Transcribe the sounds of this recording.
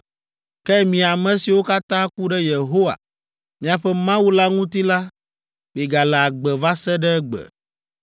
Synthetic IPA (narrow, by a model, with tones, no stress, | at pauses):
kɛ˦mĩ˨a˨mɛ̃˨si˨wo˦ka˦t̪ã˦ku˦ɖɛ˦je˨ɦo˦wa̰˨ | mĩ˨a˨ɸɛ˦mã˦wu˦la˦ŋũ˦t̪i˦la˦ | bi˨ɡa˨lɛ˨a˨ɡ͡bɛ˨va˦sɛ˦ɖɛ˦ɛ˦ɡ͡bɛ̰˨